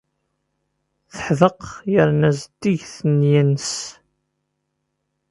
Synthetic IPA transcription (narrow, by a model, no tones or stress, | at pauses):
θə̥ħðəqjəɾnæzd̪iʝθənjins